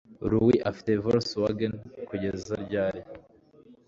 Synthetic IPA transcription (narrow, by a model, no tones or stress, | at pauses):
ɾuwiʔafi̥tevaɾswaɡenkuɟezaɾɟaːɾe